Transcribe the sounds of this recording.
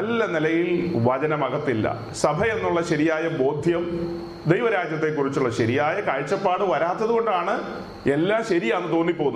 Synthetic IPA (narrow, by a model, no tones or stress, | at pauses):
ɐlːɐnilɐjilʋɐt͡ɕɐnɐmɐɣɐt̪ːilːɐ̰ | sɐbʱɐe̞nːuɭːɐɕɐɾijaːjɐbo̞ːd̪ʱjɐm | d̪ejʋɐɾaːd͡ʑjɐt̪ːe̞kːurit͡ɕːuɭːɐɕɐɾijaːjɐkaːɻt͡ɕːɐpːaːɽɨʋɐɾaːt̪ːɐðuɣo̞ɳɖaːɳɨ | e̞lːaːmɕɐɾijaːnːɨt̪o̞ːnːipːo̞ːunː